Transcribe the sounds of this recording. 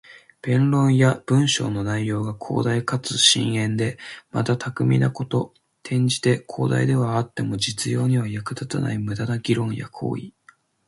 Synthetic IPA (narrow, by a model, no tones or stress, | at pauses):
pẽ̞nɾõ̞ɰ̃jab̥ɯ̟̃ɰ̃ɕo̞̰ːno̞naijo̞ːɡakʰo̞̰ːd̪aikat͡sɨɕḭ̃ɰ̃ẽ̞nd̪e̞mat̪at̪ʰakɯ̟mʲinako̞t̪o̞ | t̪ʰẽ̞ɲ̟d͡ʑi̥t̪e̞kʰo̞ːd̪a̰id̪e̞βaːt̪ːe̞mo̞d͡ʑit͡sɨjo̞ːɲ̟iβajakɯ̟̥t̪at͡s̪a̰na̰imɯ̟d̪anaɡʲiɾõ̞ɰ̃ja̰kʰo̞̰ːi